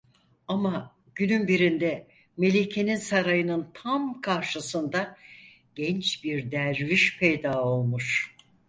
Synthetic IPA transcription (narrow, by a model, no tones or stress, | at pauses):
ama | ɟ̥ynynbiɾind̪ɛ | me̞lʲicʰe̞ninsaɾajɯnɯnt̪ʰamkʰaɾʃɯsɯnd̪a | ɟ̥ɛnt͡ʃbiɾd̪æɾviʃpʰejd̪aːo̞lˠmuʃ